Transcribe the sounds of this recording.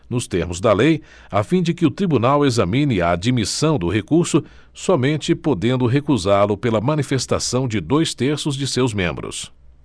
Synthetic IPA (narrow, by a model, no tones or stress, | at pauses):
nʊst̪eɾmʊzd̪ɐlej | afĩd͡ʒɪkɪʊt̪ɾibunawezɐmĩnɪaːd͡ʒimisɐ̃w̃d̪ʊɦekuɾsʊ | sɔmẽnt͡ʃɪpod̪ẽnd̪ʊɦekuzaɾlʊpelɐmɐ̃nifest̪asɐ̃w̃d͡ʒɪd̪ojst̪eɾsʊzd͡ʒɪsewzmḛ̃mbɾʊ̰s